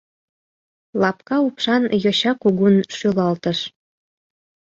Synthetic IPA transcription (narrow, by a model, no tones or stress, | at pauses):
lɑpkɑupʃɑnjoɕɑkuɣunʃylɑlt̪əʃ